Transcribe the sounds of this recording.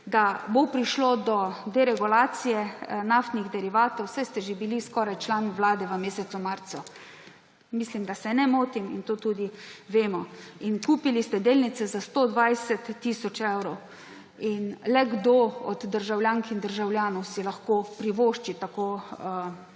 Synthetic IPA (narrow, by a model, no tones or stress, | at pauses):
d̪abopɾiʃlod̪ɔd̪ɛɾɛɡulaːt̪sijɛnaft̪niɣd̪ɛɾiʋaːt̪ɔwsɛjst̪ɛʒebiliskɔːɾajt͡ʃlaːnwlaːd̪ɛʋəmeːsɛt̪sumaɾt̪sɔ | mislimd̪asɛnɛmoːt̪imint̪oːt̪uːd̪iʋeːmɔinkuːpilist̪ɛd̪eːlnit̪sɛzast̪od̪ʋajsɛt̪ːisɔt͡ʃɛwɾɔw | inlɛɡd̪oɔd̪d̪əɾʒawlʲjaːŋkind̪əɾʒawlʲjaːnɔwsilaxkoːpɾiʋoʃt͡ʃit̪akoːə